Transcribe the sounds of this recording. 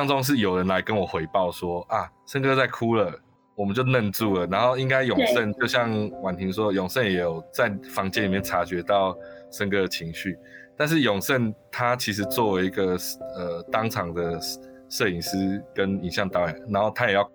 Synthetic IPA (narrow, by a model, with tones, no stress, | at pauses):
ɑ˥ŋt͡so˥˦ŋʂ̬ɻ̩˥˩jo˨˩ʊɻə˧˦nla˧˦ɪkə˦nwɔ˨˩xwe˧˥ɪpɑ˥˨˩ʊswɔ˦˥a˨ʂə˦˥nkɤ˦t͡sa˥˩ɪkʰu˦lə˨ | wɔ˨˩mə˨nt͡ɕjo˥˧ʊnə˥˧nt͡su˥˨lə˨˩na˧˥nxo˥˩ʊi˦ŋka˥ɪjɔ˨˩ŋsə˥˧nt͡ɕjo˥˧ʊɕ̬jɑ˥˨ŋwa˨˩nt̪ʰi˨˥ŋʂwɔ˦˥jɔ˨˩ŋsə˥˩˨njɛ˨˩˦jo˨˩ʊt͡sa˥˩ɪfɑ˧˦ŋt͡ɕjɛ˥˦nli˨˩jɛ˥˩nʈ͡ʂʰa˧˥t͡ɕɥɛ˧˥t̪ɑ˥˩ʊ | ʂə˥nkɤ˥d̪ə˨t͡ɕʰi˧˥ŋɕy˥˨˩ | t̪a˥˧nʂ̬ɻ̩˥˩jɔ˨˩ŋʂə˥˩nt̪ʰa˦t͡ɕʰi˧˥ʂ̬̩˧˦t͡swɔ˥˩we˧˥i˧ɡə˨ə˨˩t̪ɑ˥˦ŋt͡sʰɑ˨˩ŋd̪ə˩ | sɤ˥˩i˨˩ŋsɹ̩˥kə˦ni˨˩ŋɕjɑ˥˩ŋt̪ɑ˥ʊjɑ˨˩ŋna˧˦nxo˥˩ʊt̪ʰa˥jɛ˨˩jɑ˥˨ʊ